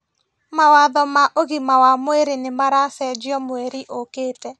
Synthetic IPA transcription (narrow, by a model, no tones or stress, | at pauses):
mawaðɔmaʔoɣimawamweɾenemaɾasɛd͡ʒjɔmweɾiʔokeːtɛ